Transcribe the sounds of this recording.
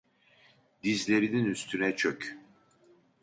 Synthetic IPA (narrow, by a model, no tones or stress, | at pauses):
d̪izlʲe̞ɾininyst̪ʰynɛt͡ʃʰøc